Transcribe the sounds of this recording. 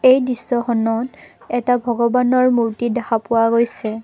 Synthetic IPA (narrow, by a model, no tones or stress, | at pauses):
ejdɹisːɔxɔnɔt | ɛtabʱɔɡɔbanɔɹmuɹtidɛxapʊwaɡojsɛ